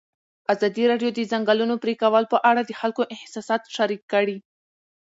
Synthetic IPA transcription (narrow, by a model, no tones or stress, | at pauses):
azɑd̪iɾɑɖjod̪əzaŋɡalunopɾikawəlpəʔaɽad̪əxalkoʔɪhsɑsɑt̪ʃaɾikːəɽi